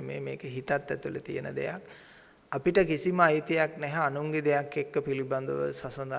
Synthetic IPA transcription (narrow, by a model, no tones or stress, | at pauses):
mḛːmeːkəɦit̪at̪ːɛt̪ulət̪ijənə̰d̪ḛjak | apiʈəkisiməajt̪ijaknɛɦɛːnuŋɡid̪ejakːekːəpiliband̪əʋə̰sasɐnd̪a